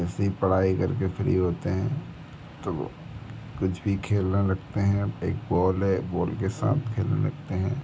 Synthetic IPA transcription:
ɛːseɦipɐɽ̤aːikɐɾkefʰɾḭɦoːt̪eɦɛ̃ | t̪o̰ | kʊt͡ʃʰbʱikʰeːlnelɐɡt̪eɦɛ̃eːk̚bɔːlɦɛbɔːlkesa̰ːt̪ʰkʰeːlnḛlɐ̰ɡ̚t̪eɦɛ̃ː

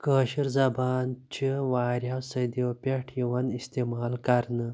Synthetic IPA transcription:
kəːʃiɾzɐbaːnt͡ʃʰiwaːɾʲawsɐd̪ipʲeʈʰjiwɐnist̪emaːlkaɾnə

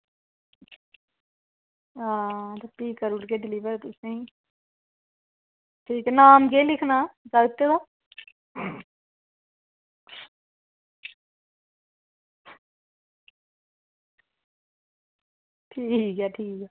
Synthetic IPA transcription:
ɦãːt̪ɐpiːkːəɾuʈkeɖɪliʋəɾt̪ʊsẽĩ | ʈʰiːknaːmkelɪkʰnad͡ʒaːɡt̪ːed̪aː | ʈʰiːkɦɛːʈʰiːkɛː

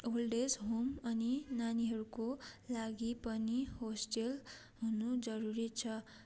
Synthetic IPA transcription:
olɖesɦomʌninaniɦʌɾukolaɡipʌnihosʈel | ɦunud͡zʌɾuɾit͡sʰʌ

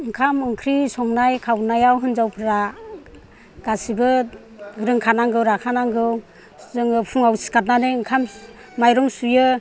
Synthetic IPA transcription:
ɯŋkʰamɯŋkʰɾisɔŋnajkʰawnajawɦɯnzawpʰɾa | ɡ̥asibɯ | ɾɯŋkʰanaŋɡɯwɾakʰanaŋɡɯw | zɯŋɯpʰuŋawsi̥kat̚nanɯɯŋkʰam | majɾɔŋsujɯ

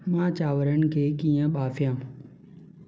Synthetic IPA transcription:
mãːt͡ɕaːʋəɾənɪ̆kʰeːkĩːə̃ɓaːfjãː

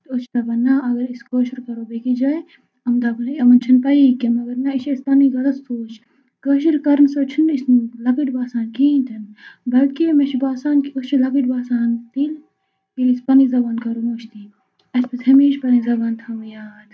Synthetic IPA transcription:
t̪ot͡ʃʰd̪ɐbɐːnːɐʔɐɡɐɾiskoːʃiɾkɐɾoːbekid͡ʒa | ɐmd̪ɐbɐleɐmɐnt͡ʃʰɐnpɐikemɐɡɐɾnɐiʃespɐniɡɐlɐstoːt͡ʃʰ | koːʃ̬iɾkɐɾnsoːt͡ʃʰɐnisnlɐkiʈbaːsaːnkiːnt̪ʰɐnbɐlt̪kimɐʃʰbaːsaːnkiot͡ʃʰilɐkiʈbaːsaːnt̪il | ilispɐnizɐbaːnkɐɾomoːt͡ʃʰt̪iː | ɐspɐt̪hɐmiːʃpɐɾĩzɐbaːnt̪ʰɐmjaːd̪

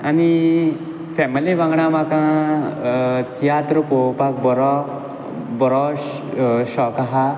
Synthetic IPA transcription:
ami | fɛmiliʋãŋɡɳamakã | t̪ijat̪ɾupopakbɔɾɔ | bɔɾɔ | ɕɔkaɦa

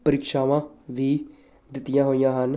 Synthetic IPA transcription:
pəɾiːkʃaːʋãːʋiː | d̪ɪt̪ːɪjãːɦoːijãːɦən

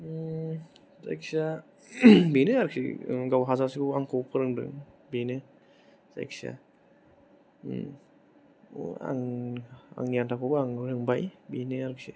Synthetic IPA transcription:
sa̰jksa | binɯaɾɯk̚sḭɡawɦazasibuaŋkʰɔwpʰɯɾɯŋdɯ̰ŋ | binɯ | z̥a̰j̰ksa̰ | a̰ŋ | a̰ŋijantʰakʰɔbaaŋɾɯŋbajbineaɾɯksi

